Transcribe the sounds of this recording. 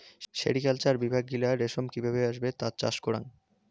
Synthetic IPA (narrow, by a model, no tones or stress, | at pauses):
ʃḛɽikalt͡ɕaɾbibʱaɡːilaɾeʃomkibʱeβeaʃbet̪at͡ɕa̰ʃkoɾa̰ŋ